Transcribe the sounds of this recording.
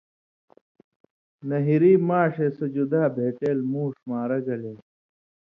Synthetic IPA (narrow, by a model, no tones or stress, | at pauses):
nɐɦiɾiːmaːʂesɐd͡ʑud̪aːbʱeːʈeːlmuːʂmaːɾɐɡɐleː